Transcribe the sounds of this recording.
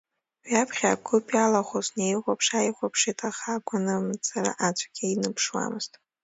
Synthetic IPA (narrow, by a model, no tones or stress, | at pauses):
wapʰχʲakʷʰʊpʼjalaχʷoznejʁʷapʰʂajχʷapʰʂitʰʼaχaɡʷʼanɨmt͡sʰʼara̰ʔat͡ʃʷʰʼḁɡʲainɨpʰʂwa̰mɨz̥tʼ